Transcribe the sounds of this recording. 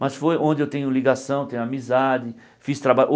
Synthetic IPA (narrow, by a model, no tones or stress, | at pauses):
mɐsfojʔõnd͡ʒɪewt̪ẽɲʊliɡasɐ̃w̃t̪ẽɲʊ̃amizad͡ʒɪ | fist̪ɾabaʔ